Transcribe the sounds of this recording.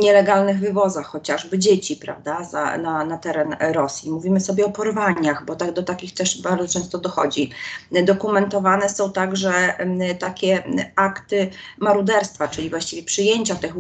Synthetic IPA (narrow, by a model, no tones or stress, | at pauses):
ɲɛlɛɡalnɘɣvɘvɔzaxːɔt͡ɕaʐbɘd͡ʑet͡ɕipɾa̰vd̪aza̰nanat̪ɛɾɛnɾɔsʲjimuvʲimɘsɔbʲjɛɔpɔɾvaɲaxbɔt̪aɡd̪ɔt̪akʲixt̪ɛʂbaɾd̪ɔt͡ʂɛ̃ñst̪ɔd̪ɔxɔ̰d͡ʑid̪ɔkumɛnt̪ɔvanɛsɔ̃w̃t̪aɡʐɛt̪akʲɛakt̪ɘmaɾud̪ɛɾst̪fat͡ʂɘlʲivwaɕt͡ɕivʲjɛpʂɘjeɲt͡ɕat̪ɛx